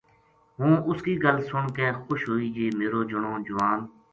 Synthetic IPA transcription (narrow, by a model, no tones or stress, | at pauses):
ɦũːʔʊskiːɡəlsʊɳkeːxʊʃɦoːiːd͡ʒeːmeːɾoːd͡ʒʊɳõːd͡ʒʊʋaːn